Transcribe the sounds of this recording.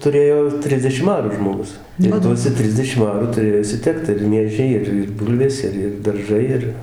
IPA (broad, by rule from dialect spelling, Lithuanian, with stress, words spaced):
tʊˈrʲeːjoː ˈtʲrʲɪzʲdʲɛʃʲɪm ˈɑːruː ʒmoːˈɡʊs ɪr ˈtuɔsʲɛ ˈtʲrʲɪzʲdʲɛʃʲɪm ˈɑːruː tʊˈrʲeːjoː ɪʃʲsʲɪˈtʲɛkt ɪr ˈmʲiɛʒʲɛɪ ˈɪr ɪr ˈbuːlʲʋʲeːs ˈɪr ɪr dɐrˈʒɐɪ ˈɪr